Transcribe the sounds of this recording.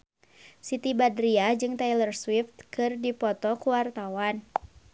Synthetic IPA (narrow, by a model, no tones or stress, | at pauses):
sit̪ibadɾiad͡ʒɨŋt̪ajlərswift̪̚kɨrdipɔt̪ɔkuwart̪awan